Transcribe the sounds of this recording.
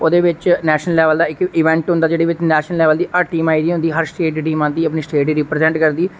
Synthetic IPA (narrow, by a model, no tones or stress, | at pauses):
oːd̪eːʋɪt͡ʃnɛːʃnəllɛːʋəld̪aːɪkɪʋɛ̃ːɳʈɦʊ̃nd̪aːd͡ʒeːɽiːʋɪt͡ʃnɛːʃnəlɛːʋəld̪iːʔəʈiːmaːid̪iːɦʊnd̪iːɦəɾsʈeːʈiʈiːmãːnd̪iːəpniːsʈeːʈiːɾɪpɾəzɛ̃ːɳʈkəɾd̪iː